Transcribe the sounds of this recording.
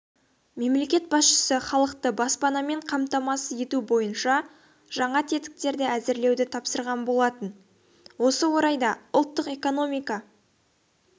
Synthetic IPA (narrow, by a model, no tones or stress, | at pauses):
me̞mle̞kʲe̞t̪̚bɑsʃə̥səχɑlˠəqt̪əbɑspɑnɑme̞ɴqʰɑmt̪ɑmɑsəje̞t̪ubo̞jənʃɑ | ʒ̥ɑɴɑt̪ʰe̞t̪ɪ̥k̚t̪e̞ɾd̪ɪæzɪɾle̞wd̪ɪt̪ʰɑpsəɾʁɑnbo̞lˠɑt̪ən | wo̞səwo̞ɾɑjd̪ɑʊlˠt̪ːəqe̞ko̞no̞mijkɑ